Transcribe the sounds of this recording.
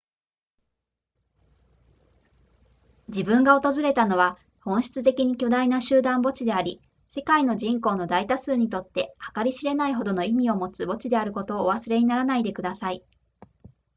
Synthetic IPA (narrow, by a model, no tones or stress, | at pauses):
d͡ʑibɯ̟̃ŋɡao̞t̪o̞zɨɾe̞t̪ano̞βa | hõ̞ɰ̃ɕi̥t͡sɨt̪e̞kʲiɲ̟ikʲo̞d̪ainaɕɨːd̪ãmbo̞t͡ɕid̪e̞aɾʲi | se̞kaino̞ʑĩŋko̞ːno̞d̪ait̪asɨːɲ̟it̪o̞t̪ːe̞hakaɾʲiɕiɾe̞naiɦo̞d̪o̞no̞imʲio̞mo̞t͡sɨbo̞t͡ɕid̪e̞aɾɯ̟ko̞t̪o̞ːβ̞asɨɾe̞ɲ̟inaɾanaid̪e̞kɯ̟d̪asai